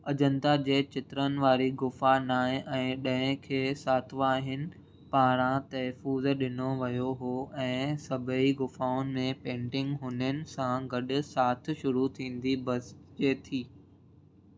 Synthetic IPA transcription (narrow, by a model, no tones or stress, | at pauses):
ɐd͡ʑə̃nd̪ad͡ʑeːt͡ɕɪt̪ɾənɪ̆ʋaːɾiɡʊfanaːɪ̃ʔɛ̃ːɗɐ̃ɦɪ̃kʰeːsaːt̪ʰʋaːɦɪnɪ̆ | paːɾ̃ãt̪ɐɦfuːzɗɪnoʋɐjoɦoːɛ̃ːsɐbʱəiɡʊfaːʊnɪ̆mẽpẽːɳʈɪ̃ŋɡɦʊnənɪ̆sãɡɐɗʊ̆saːt̪̆ʰʃʊɾut̪ʰĩːnd̪ibɐsd͡ʑeːt̪ʰiː